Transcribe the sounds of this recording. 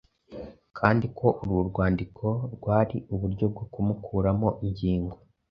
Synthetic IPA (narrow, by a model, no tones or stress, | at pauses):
kʰaːndikʰo̞ʔuɾuɾɡwaːndikʰo̞ɾɡwaːɾiʔuβuɾɟo̞b̚ɡo̞kumukʰuːɾamo̞ʔiɲɟiːŋɡo̞